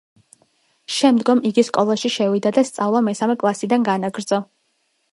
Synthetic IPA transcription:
ʃɛmd̪ɡɔmiɡiskʼɔlˠaʃiʃɛvid̪ad̪ast̪sʼavlˠɔmɛsamɛkʼlˠasid̪anɡanaɡɾd̪z̥ɔ

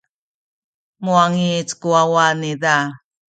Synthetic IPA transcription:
muaŋit͡skuawaniða

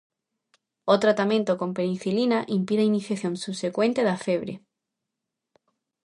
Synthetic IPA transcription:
ot̪ɾat̪amẽnt̪okõmpenĩθilinaʔimpiðainiθjaθjõnsusekwẽnt̪eðafeβ̞ɾe

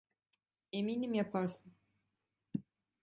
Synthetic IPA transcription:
e̞miːnimjapʰaɾsɯn

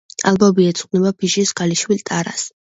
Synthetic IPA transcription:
a̰lˠbɔbiɛt̪sʼqʼnɛbapʰiʃisɡaliʃwilt̪ʼaɾa̰s

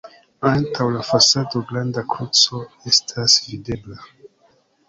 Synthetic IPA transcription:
antʰawlafasadoɡlandakɾut͡so̞ | estʰasvide̞bla

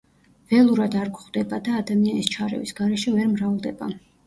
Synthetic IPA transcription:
vɛlˠuɾad̪aɾɡχd̪ɛbad̪aːd̪amianist͡ʃʰaɾɛ̰visɡaɾɛʃɛvɛɾmɾavlˠd̪ɛba

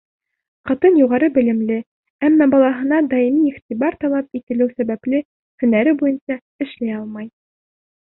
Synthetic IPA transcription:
qɑ̆t̪ɤnjuʁɑɾɤbɘ̆lɘ̆mlɘ | æmːæbɑlˠɑɦɤ̆nɑd̪ɑimiːχt̪ʲibɑɾt̪ɑlˠɑp̚it̪ɘ̆lɘwsæβæplɘ | kɵ̆nːæɾɘbujɤnsɑ | ɘ̆ʃlæjɑlˠmɑj

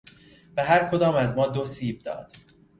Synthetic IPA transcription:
b̥eɦæɾkʰo̞d̪ɒːmæzmɒːd̪osiːb̚d̪ɒ̰ːd̪̥

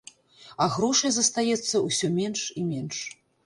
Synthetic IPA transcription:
ɐɣɾɔʂɐjzɐst̪ajɛt̪sːɐusʲɔmʲɛnʂimʲɛnʂ

